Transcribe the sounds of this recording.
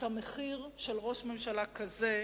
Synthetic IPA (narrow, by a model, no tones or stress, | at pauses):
tameχiʁʃelʁo̞ʃme̞mʃalakaze